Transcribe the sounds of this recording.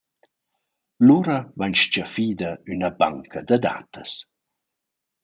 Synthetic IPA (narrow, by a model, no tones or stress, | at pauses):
luɾɐvaɲʃt͡ʃafiːd̪ɐynɐba̰ŋkʰɐd̪əd̪a̰ːt̪əs